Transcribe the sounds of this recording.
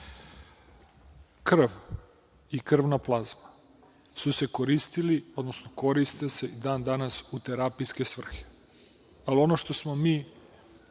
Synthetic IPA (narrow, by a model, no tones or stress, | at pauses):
kr̩ʋ | ikr̩ʋnaplˠazma | suse̞koɾist̪ilio̞d̪nosno̞ko̞ɾist̪ese̞id̪aːnd̪anasut̪eɾapijske̞sʋr̩xe̥ | alio̞no̞ʃt̪o̞smo̞miː